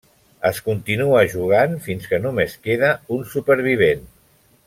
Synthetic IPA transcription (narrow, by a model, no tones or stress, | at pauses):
əskunt̪inuəʒuɣ̞anfinskənumeskeðəunsupəɾβ̞iβ̞en